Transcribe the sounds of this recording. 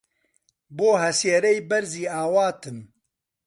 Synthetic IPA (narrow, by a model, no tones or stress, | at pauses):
boːɦɛsjeɾɛjbɛɾziːaːwaːt̪ʰɨm